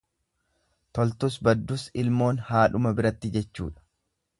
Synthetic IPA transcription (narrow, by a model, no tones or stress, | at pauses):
t̪ɔlt̪ʊsbɐd̪ːʊsɪlmo̞ːnhaːᶑʊmɐbɪɾɐt̪ːɪd͡ʒɛt͡ʃːṵːᶑɐ̥